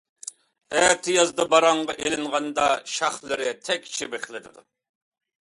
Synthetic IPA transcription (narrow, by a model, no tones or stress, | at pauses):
ɛt̪ʰɪjɑzd̪ɑbɑɾɑɴʁɑʔelɪŋʁɑnd̪ɑʃɑχlˠɪɾɪt̪ʰɛkʲt͡ʃʰibeχlˠɪd̪ɪd̪u